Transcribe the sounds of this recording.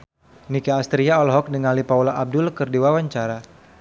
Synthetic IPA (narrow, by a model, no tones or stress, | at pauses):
nikaːst̪ɾiaɔlɦɔk̚dəŋalipaulaʔab̚dʊlkɨrdiwawaɲt͡ʃaɾa